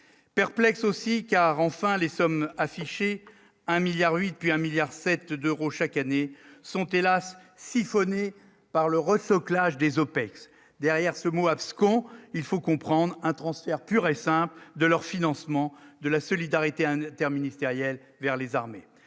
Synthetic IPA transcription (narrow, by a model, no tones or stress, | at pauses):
pɛʁplɛksosikaʁɑ̃fɛ̃lesɔmafiʃe | ɛ̃miljaʁɥit̪̚pɥiɛ̃miljaʁsɛt̪d̪øʁoʃakanesɔ̃t̪elasː | ifɔne | paʁləʁəsɔklaʒd̪ezopɛks | d̪ɛʁjɛʁsəmoapskɔ̃ilfokɔ̃pχɑ̃d̪ʁɛ̃t̪χɑ̃sfɛʁpyʁesɛ̃pld̪əlœʁfinɑ̃smɑ̃d̪əlasɔlid̪aʁit̪eɛ̃t̪ɛʁminist̪eʁjɛl | vɛʁlezaʁme